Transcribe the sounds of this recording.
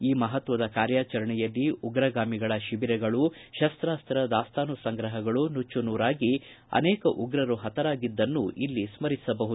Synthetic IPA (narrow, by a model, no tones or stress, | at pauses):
iːmɐɦɐt̪ʋɐd̪ɐkaːɾjaːt͡ʃɐɾɐɳɛjɐlːiuɡɾɐɡaːmiɡɐɭɐʃibiɾɛɡɐɭuʃɐst̪ɾaːst̪ɾɐd̪aːst̪aːnusɐŋɡɾɐɦɐɡɐɭunut͡ʃːunuːɾaːɡi | ɐ̰nɛːkɐʔuɡɾɐɾuɦɐt̪ɐɾaːɡid̪ːɐnːuʔilːismɐɾisɐbɐɦud̪u